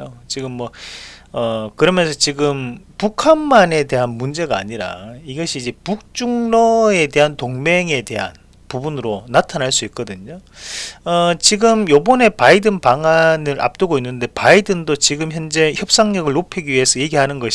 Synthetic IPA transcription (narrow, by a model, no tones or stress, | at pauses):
ot͡ɕiɡɯmːwʌʌkɯɾʌmjʌnsʰʌt͡ɕiɡɯmpukʰanmane̞de̞ɦanmund͡ʑe̞ɡa̰ːɲiɾa̰iɡʌɕʰiːd͡ʑe̞puk̚t͡ɕ͈uŋnʌe̞de̞ɦantoŋme̞ŋe̞de̞ɦa̰n | pubunɾonatʰanɦaɭs͈uik̚k͈ʌdɯɲo | ʌt͡ɕiɡɯmjobʌne̞paidɯnpaŋanɯɾʔa̰p̚t͈ɯɡoinːɯnde̞paidɯndot͡ɕiɡɯmçjʌnd͡ʑe̞çjʌp̚s͈aŋɲʌɡɯɭnopʰiɡiɥiɦesʰʌje̞ɡiɦanɯnɡʌɕ